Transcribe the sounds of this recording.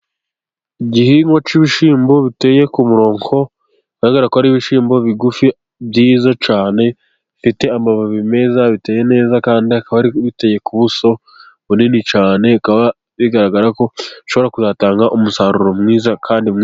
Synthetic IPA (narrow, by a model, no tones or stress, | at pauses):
iɟihiŋɡot͡ʃiβiʃiːmbo̞βite̞ːje̞kumuɾo̞ːŋho̞ | iɡaɾaɡaɾakoaɾiβiʃiːmbo̞βiɡufi | bjiːzot͡ʃaːne̞ | fite̞amaβaβime̞zaβite̞ːje̞ne̞ːzakaːndiakaβaɾiβite̞je̞kuβuso̞ | βuninit͡ʃaːne̞kaβa | βiɡaɾaɡaɾako̞ʃoβo̞ɾakuzaːtaːŋɡaʔumusaːɾuɾo̞mŋiːzakʰaːndim